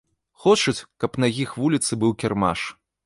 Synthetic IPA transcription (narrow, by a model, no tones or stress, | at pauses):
xɔt͡ʂɐt͡sʲkɐpnɐjʲixvulʲit̪sɨbɨwkʲɛrma̰ʂ